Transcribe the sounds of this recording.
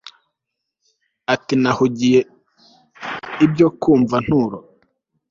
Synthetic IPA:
atinahuɟije | ibjokuːɱvan̥huɾo

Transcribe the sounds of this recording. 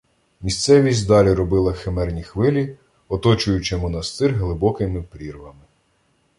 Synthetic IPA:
mʲist̪sɛʋʲisʲtʲd̪ɑlʲiɾɔbɪlˠɐxemɛrnʲixʋɪlʲi | ɔt̪ɔt͡ʃʊjʊt͡ʃɪmɔnɐst̪ɪrɦlˠɪbɔkɪmɪpɾʲirʋɐmɪ

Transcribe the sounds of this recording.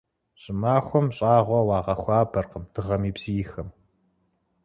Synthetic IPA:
ɕʼɪmaːxʷɔmɕʼaːʁʷɔwɑːʁɐxʷɑːbʰɐrqəmd̥ʰɨʁɐmiːbz̥iːxɐm

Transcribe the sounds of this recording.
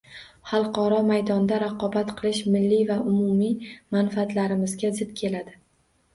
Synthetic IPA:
χɑlˠqɒɾɒmajd̪ɒnd̪aɾaqʰɒbat̪qʰɨlˠɪʃmɪlːivaʔʊmʊmimanfaːt̪laɾɪmɪzɡʲazɪd̪kʲʰe̞lad̪ɪ

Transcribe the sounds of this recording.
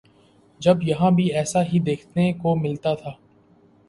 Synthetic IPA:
d͡ʒɐbjɐɦãbʱiɛːsaɦid̪eːkʰnekomɪlt̪at̪ʰaː

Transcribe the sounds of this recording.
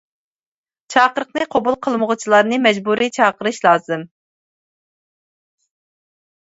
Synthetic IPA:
t͡ʃʰɑːqəɾəqnɨqʰobulˠqʰəlˠməʁʊt͡ʃʰilˠɑɾnɨmɛd͡ʒbuɾʔit͡ʃʰɑːqəɾɨʃlˠɑːzɨm

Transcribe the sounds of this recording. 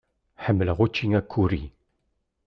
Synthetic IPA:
ħəmːəlʁut͡ʃːiŋakʰːuɾi

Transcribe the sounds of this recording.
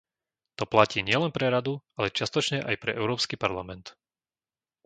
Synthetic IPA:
t̪ɔplaciːɲɪɛlɛnpɾɛɾad̪ualɛt͡ʃɪast̪ɔt͡ʃɲɛʔajpɾɛʔɛʊɾɔːpskipaɾlamɛnt̪

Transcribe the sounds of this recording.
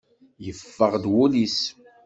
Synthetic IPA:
jəfːəʁd̪wulis

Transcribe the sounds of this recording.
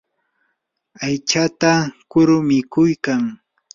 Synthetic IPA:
ajt͡ʃat̪akʊɾʊmɪkʊjkaŋ

